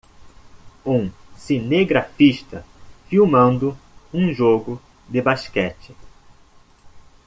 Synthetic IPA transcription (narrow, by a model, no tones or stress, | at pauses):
ũsineɡɾafiʃt̪ɐfiwmɐ̃nd̪ʊũʒoɡʊ | d̪ɪbaʃkɛt͡ʃɪ